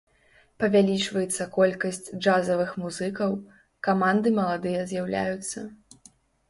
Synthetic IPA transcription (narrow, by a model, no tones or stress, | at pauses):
pɐvʲalʲit͡ʂvɐjɛt̪sːɐkɔlʲkɐsʲt͡sʲd͡ʐazɐvɨxmuzɨkɐw | kamand̪ɨmɐlˠad̪ɨjɐzʲjawlʲa̰jut̪sːɐ